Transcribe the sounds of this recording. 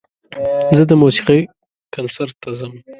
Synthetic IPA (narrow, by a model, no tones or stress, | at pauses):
zəd̪əmosi̥qi | kansaɾt̪ːazəm